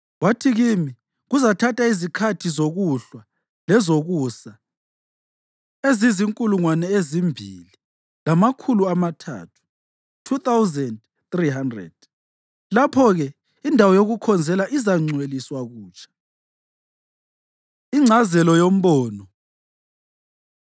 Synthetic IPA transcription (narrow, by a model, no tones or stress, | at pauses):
watʰiɣimi | ɣuzatʰatʼaizikʰatʰizoɣuɬwa | lɛzoɣusa | eziziŋkʼuluŋwanɛezimbʱḭli | lamakʰuluamatʰa̰ːtʰu̥ | tʰuθawzɛnd | θriɦandrɛ̰d̥̚ | lapʰɔɣɛ | indʱawɔjoɣukʰɔnd͡zʱɛlaʔizaŋ͡ǀʱweliswaɣuːt͡ʃʼʰḁ | iŋ͡ǀʱazɛlɔjom̩βɔːnɔ